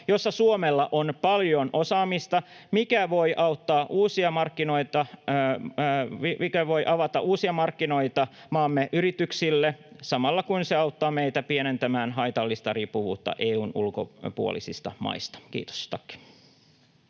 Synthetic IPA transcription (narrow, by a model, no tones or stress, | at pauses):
jo̞sːɑsuomelːɑʔonpɑljo̞nʔo̞sɑːmist̪ɑmikæʋo̞jʔɑut̪ːɑːʔuːsiɑmɑrkːino̞jt̪ɑ | ikæʋo̞jʔɑʋɑt̪ɑʔuːsiɑmɑrkːino̞jt̪ɑ | mɑːmːeʔyɾit̪yksilːesɑmɑlːɑkuinseɑut̪ːɑːmejt̪æpienent̪æmæːnɦɑjt̪ɑlːist̪ɑriːpːuʋṵːt̪ːɑ̰ʔeːuːnṵlko̰puo̰lḭsist̪ɑmɑ̰ist̪ɑ̥kḭːt̪o̥st̪ɑkːi̥